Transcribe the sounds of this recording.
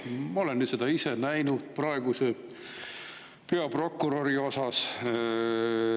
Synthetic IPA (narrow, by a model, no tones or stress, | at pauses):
mɑolenːyːt̪se̞d̪̥ɑisenæjnud̪̥prɑeɡ̥use | pe̞ɑpro̞kːˑuɾo̞ɾio̞sɑs